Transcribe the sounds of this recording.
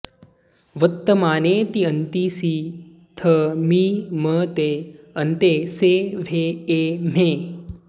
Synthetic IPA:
ʋət̪ːəmaːnet̪iənt̪iːsiː | t̪ʰəmiːmət̪eː | ənt̪eseʋ̤ʱeːem̤eː

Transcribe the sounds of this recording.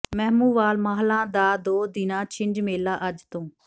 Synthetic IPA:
mɛɦmuːʋaːlmaːɦlãːd̪aːd̪oːd̪ɪnãːt͡ʃʰɪɳd͡ʒmeːlaːʔəd͡ʒt̪õː

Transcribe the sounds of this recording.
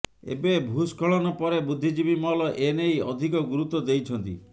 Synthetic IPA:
ḛbebʱuskʰɔɭɔnɔpɔɾebud̪ʱːid͡ʒibimɔɦlɔʔenejɔd̪ʱikɔɡuɾut̪wɔd̪ejt͡ʃʰɔnt̪ḭ

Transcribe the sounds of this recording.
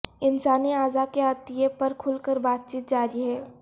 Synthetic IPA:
ɪnsaːniaːzakeət̪ijepəɾkʰʊlkəɾbaːt̪̚t͡ʃiːt̪̚d͡ʒaːɾiɦɛː

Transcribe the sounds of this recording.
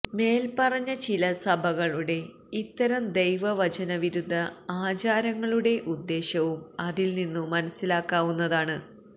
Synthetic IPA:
me̞ːlpɐrɐɲːɐt͡ɕilɐsɐbʱɐɣɐɭuɽe̞ | it̪ːɐɾɐmd̪ejʋɐʋɐt͡ɕɐnɐʋiɾud̪ʱːɐaːt͡ɕaːɾɐŋːɐɭuɽe̞ʔud̪ːe̞ːɕɐʋumɐðilninːumːɐnɐsilaːkːaːʋunːɐðaːɳɨ

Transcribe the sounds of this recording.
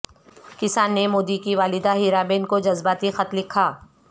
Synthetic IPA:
kɪsaːnːemoːd̪ikiʋaːlɪd̪aɦiːɾaːbeːnkod͡ʒɐzbaːt̪ixɐt̪lɪkʰaː

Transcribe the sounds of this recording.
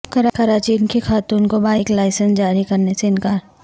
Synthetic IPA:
kɐɾkɐɾaːt͡ʃinkexaːt̪uːnkobaːɪklaːɪsə̃nsd͡ʒaːɾikɐɾneseɪnkaːɾ

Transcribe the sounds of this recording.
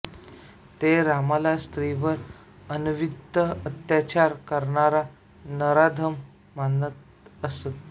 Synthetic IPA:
t̪eɾamalast̪ɾiʋəɾ | ənuʋid̪ʱəət̪jat͡ɕaɾkəɾɳaɾa | nəɾad̪ʱəmː | anət̪̚ | əset̪

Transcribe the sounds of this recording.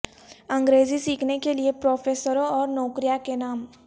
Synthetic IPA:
ɐ̃ŋɡɾeːzisiːkʰnekeliepɾoːpʰeːsəɾõɔːɾnɔːkɾijakenaːm

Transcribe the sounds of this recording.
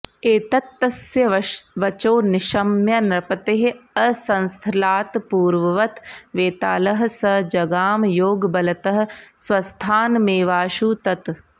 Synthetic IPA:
eːt̪ɐt̪ːɐsjɐʋɐt͡ʃoːnɪʃɐmjɐnɾɐpɐt̪eɦɐsɐ̃nst̪ʰɪlaːt̪puːɾʋɐʋɐt̪ʋeːt̪a̰ːlɐɦɐsɐd͡ʒɐɡaːmjoːɡbɐlɐt̪ɐɦɐ̆sʋɐst̪ʰaːnmeːʋaːʃuːt̪ɐt̪

